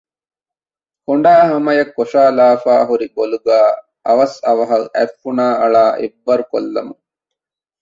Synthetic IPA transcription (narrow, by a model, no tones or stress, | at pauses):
hoɳ̆ɖaːɦɐmɐjɐkːoʃaːlaːfaːɦuɾiboluɡaː | ɐʋɐsɐʋɐɦɐʔæfːunaːɐɭaːʔebːɐɾuko̰lːɐmu